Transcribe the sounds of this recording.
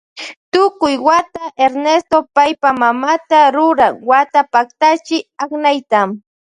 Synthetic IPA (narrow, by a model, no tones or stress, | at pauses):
t̪ʊkʊjwat̪aʔeɾnest̪opajpamamat̪aɾʊɾaŋwat̪apakt̪at͡ʃɪaχnajt̪am